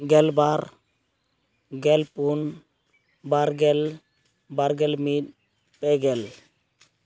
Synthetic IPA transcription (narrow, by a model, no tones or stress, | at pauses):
ɡɛlbaɾ | ɡɛlpun | baɾɡɛl | baɾɡɛlmit̪̚ | pɛɡɛl